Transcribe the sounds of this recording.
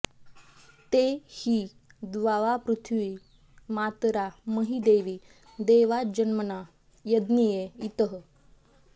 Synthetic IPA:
t̪ehiː | d̪ʋaʋapɾut̪ʰʋiː | mat̪ɾaməɦid̪eʋi | d̪eʋad͡ʑənməna | jəd̪nijeit̪əɦ

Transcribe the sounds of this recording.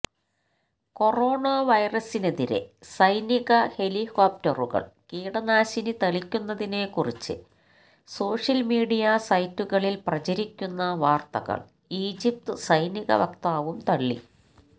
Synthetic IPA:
ko̞ro̞ːɳɐʋɐjrɐsine̞ðiɾe̞̰sɐjniɣɐhe̞likoːp̚tɐruɣɐ̰ɭkiːɽɐnaːɕinɨt̪ɐɭikʲːunːɐðine̞ːkurit͡ɕːɨ̰ | so̞ːʂɐlmiːɽijɐsɐjtːuɣɐɭilprɐt͡ɕɐɾikʲːunːɐʋaːrt̪ɐ̰ɣɐ̰ɭ | iːd͡ʑip̚t̪ɨsɐjniɣɐ̰ʋɐkt̪aːʋumt̪ɐɭːḭ

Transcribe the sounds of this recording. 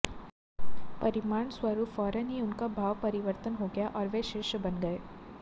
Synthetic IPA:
pɐɾɪmaːɳswɐɾuːpfɔːɾənɦiʊnkabʱaːʋpɐɾɪʋəɾt̪ənɦoɡɐjaʔɔːɾʋeʃeːʃbɐnɡɐeː

